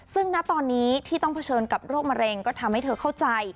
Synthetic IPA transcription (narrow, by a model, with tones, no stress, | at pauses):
sɯ˥˩ŋna˦˥ʔt̪ɔː˧nːiː˦˥t̪ʰiː˥˩t̪ɔ˥˩ŋpʰa˧t͡ɕʰɤː˧nka˨˩p̚ɾoː˥˩k̚ma˧ɾe˧ŋkɔː˥˩t̪ʰa˧mha˥˩jt̪ʰɤː˧kʰa˥˩wt͡ɕa˧j